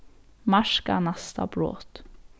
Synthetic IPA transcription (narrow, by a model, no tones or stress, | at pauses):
mɑʃkɑ̰ːnɑst̪ɑ̰bɾo̰ːt̪